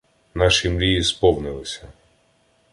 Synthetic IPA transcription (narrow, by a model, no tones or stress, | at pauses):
nɑʃimlʲijispɔwnɪlˠɪsʲɐ